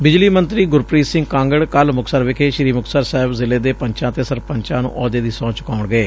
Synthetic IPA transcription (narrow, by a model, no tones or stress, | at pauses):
bɪd͡ʒliːmənt̪ɾiːɡʊɾpɾiːsɪ̃ŋɡkãːŋɡəɽkəlmʊksəɾʋɪkʰeːʃɾiːmʊksəɾsɛɦɪbzɪleːd̪eːpəɲt͡ʃãːt̪eːsəɾpəɲt͡ʃãːnṵ̃ːʔɔːd̪eːd̪iːsɔ̃ːt͡ʃkaːʊɳɡəeː